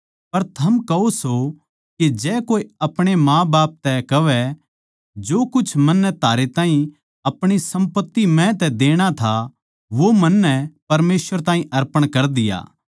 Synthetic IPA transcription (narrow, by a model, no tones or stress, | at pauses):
pɐɾt̪ʰɐmkɐoso | ked͡ʒɛːkoːiɐpɽ̃emãːbaːp̚t̪ɛkɐʋɛ | d͡ʒoːkʊt͡ʃʰmɐnːɛt̪aːɾet̪ãːĩ | ɐpɽ̃isɐ̃mpət̪ːimɛ̃t̪̬ɛd̪eːɽ̃at̪ʰa | ʋomɐnːɛpɐɾmeːsʋəɾt̪aːɦĩʔɐɾpəɽ̃kɐɾd̪ɪja̰ː